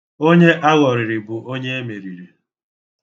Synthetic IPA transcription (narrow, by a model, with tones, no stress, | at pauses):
o˦ɲe˦ʔa˦ɣɔ˨ɾɪ˨ɾɪ˨bʊ˨ʔo˦ɲe˦e˦me˨ɾi˨ɾe˨